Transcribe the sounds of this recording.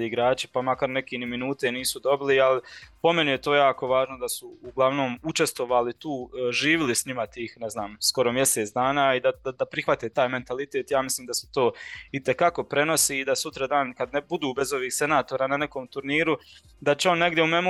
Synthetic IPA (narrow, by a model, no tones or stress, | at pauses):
iɡɾaːt͡ʃi̥pamakaɾne̞keniminuːt̪e̞niːsud̪o̞bilialipo̞me̞nije̞t̪o̞ːjaːko̞ʋaːʒnod̪asuuɡlˠaʋno̞ːmut͡ʃest̪ʋo̞ʋaːlit̪uːʒiːʋilisɲimat̪iːxneznaːmsko̞ɾo̞mje̞seːt̪d̪aːnaːid̪ad̪ad̪apɾixʋat̪eːt̪aːjme̞nt̪alit̪eːt̪jaːmislˠiːmd̪ase̥t̪o̞ːit̪ekako̞pɾe̞no̞siːd̪asut̪ɾad̪aːnkad̪nebud̪uːbe̞zo̞ʋiːhse̞naːt̪oːɾaːnane̞ko̞ːmt̪uɾniːɾu | d̪at͡ɕeo̞nːe̞ɡd̪jeumemu